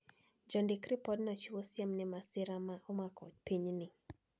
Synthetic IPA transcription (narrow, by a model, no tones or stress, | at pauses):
d͡ʒɔndɪkɾipɔdnɔt͡ʃiwosjamnɪmasɪɾamaʔomakʰɔ̰d̚piɲnɪ